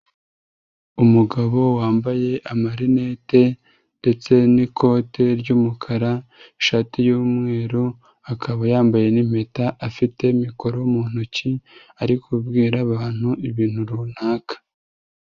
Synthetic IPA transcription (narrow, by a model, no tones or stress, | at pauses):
umuɡaβo̞waːmbaje̞ʔamaɾine̞ːte̞ | nde̞t͡se̞nikʰo̞ːtʰe̞ɾɟumukʰaɾaʃatijuːmŋe̞ːɾu | akʰaβajaːmbaje̞nim̥e̞taʔafite̞miko̞ɾoumuːn̥uci | aɾikubɡiːɾaβaːn̥huʔiβiːnhuɾuːn̥aːkḁ